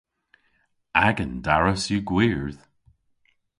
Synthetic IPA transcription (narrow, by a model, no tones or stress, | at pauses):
aɡəndaɹəsjuɡwiɹð̥